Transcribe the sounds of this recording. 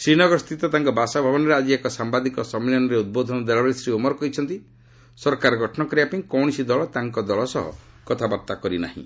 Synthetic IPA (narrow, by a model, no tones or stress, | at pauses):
sɾinɔɡɔɾst̪ʰit̪ɔt̪aŋkɔbasabʱabɔnɔɾead͡ʒiekɔsambad̪ikɔsɔmilɔnɔɾeud̪̚bod̪ʱɔnɔd̪elɔbesɾiumɔɾɔkɔɦit͡ʃʰɔnt̪i | sɔɾkaɾɔɡʱɔʈʰɔɳɔkɔɾiapinikɔwɽ̃isid̪ɔɭɔt̪aŋkɔd̪ɔɭɔsɔɦɔ̰ | kɔt̪ʰabaɾt̪akɔɾina̰ɦḭ̃